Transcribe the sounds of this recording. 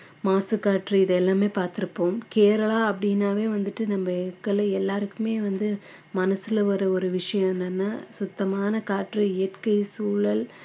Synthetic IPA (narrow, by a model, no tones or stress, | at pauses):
maːsɯkaːʈriɪðɛlːaːmeːpaːɾt̪ɪɾɯpːoːmkeːɾɐɭaːɐpːɐɽinːaːʋeːʋɐnd̪ɯʈːɯnɐmbɐɛkːɐlɐɛlːaːɾɯkːɯmeːʋɐnd̪ɯ | mɐnɐsɪlɐʋɐɾɐɔɾɯʋɪʂɐjɐ̃ɛnːɐnːaːsʊt̪ːɐmaːnɐkaːʈrieɐʈkɐɪsuːɭɐl